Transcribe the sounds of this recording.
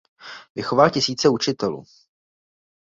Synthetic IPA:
vɪxo̞valcɪsiːt͡sɛut͡ʃɪt̪ɛlṵː

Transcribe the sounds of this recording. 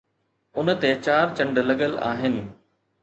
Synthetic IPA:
ʊnə̆t̪et͡ɕaːɾt͡ɕɐ̃ɳɖlɐɠəla̰ːɦɪnɪ̆

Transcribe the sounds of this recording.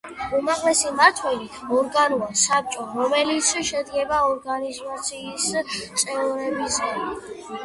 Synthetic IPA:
umaʁlɛsimaɾt̪ʰwɛlit̪ʰɔɾɡanuasap̚t͡ʃʼɔɾɔmɛlit̪sʰʃɛd̪ɡɛbaɔɾɡanizat̪sʰiːst̪sʼɛvɾɛbisɡam

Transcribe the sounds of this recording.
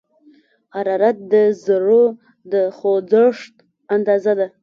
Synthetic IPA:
haɾɑɾat̪̚d̪əzəɽo | d̪əxod͡zəʂt̪ | and̪ɑzad̪a

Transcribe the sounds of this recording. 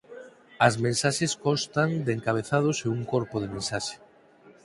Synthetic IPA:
ɐzmẽnsaʃeskɔst̪aŋd̪eŋkaβ̞eθað̞ʊseuŋkoɾpoð̞emẽnsaʃe̥

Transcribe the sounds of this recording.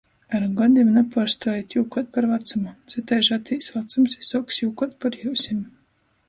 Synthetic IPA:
aɾɡɔd̪ʲimnapaːɾst̪ɔːjit̪ʲjuːkɔt̪̚paɾvat̪sumut̪sʲɨt̪ajʃat̪ʰiːsvat̪sumsisɔksjukɔt̪̚paɾjuːsʲimʲ

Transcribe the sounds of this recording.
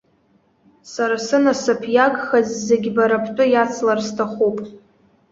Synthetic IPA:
saɾasɨnasɨpʰjaɡχazːeɡʲbaɾapʰt͡pʷʼʊjat͡sʰlarstʰaχupʼ

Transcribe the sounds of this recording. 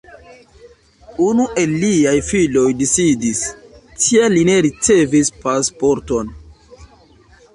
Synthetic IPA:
unuʔe̞lːiajfilo̞jdisidistʰialine̞ɾit͡se̞vispaspo̞ɾto̞n

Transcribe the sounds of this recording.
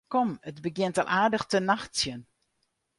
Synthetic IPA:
kɔmədbəɡjɪntɑ̰lˠʔaːɹdəχtənaχtsjən

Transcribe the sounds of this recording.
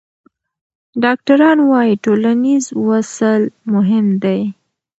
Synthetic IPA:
ɖɑk̚ʈaɾɑnwɑjiʈolanizwasəlmʊɦɪmd̪aj

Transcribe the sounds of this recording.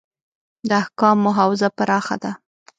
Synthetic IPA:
d̪əahkɑmːʊɦɑwɪzapaɾɑxa̰d̪a

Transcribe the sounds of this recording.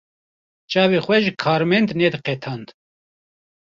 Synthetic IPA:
t͡ʃɑːvexʷɛʒɨkʰɑːɾmɛnd̪nɛd̪ɨqɛt̪ʰɑːnd̪

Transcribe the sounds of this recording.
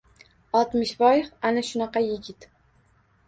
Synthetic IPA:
ɒlˠt̪mɪʃbɒjɪχanaʃʊnɑqɑjɪɡʲɪt̪

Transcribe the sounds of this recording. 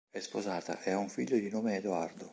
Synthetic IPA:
ɛspozaːt̪a̰ʔeauɱfiʎːod̪inoːmeːd̪uard̪o

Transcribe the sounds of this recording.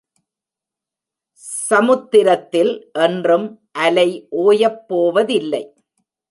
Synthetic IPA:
sɐmʊt̪ːɪɾɐt̪ːɪlʔɛndrɯmʔɐlɐɪʔoːjɐpːoːʋɐðɪlːɐɪ

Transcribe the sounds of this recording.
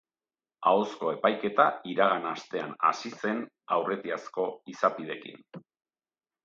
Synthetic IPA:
aosko̞e̞pajke̞t̪aiɾaɣanast̪e̞ana̰sise̞n | awre̞t̪iasko̞isapið̞e̞kḭn

